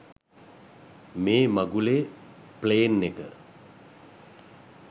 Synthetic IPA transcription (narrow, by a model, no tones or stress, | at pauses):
meːmaɡuleː | pleːnːekə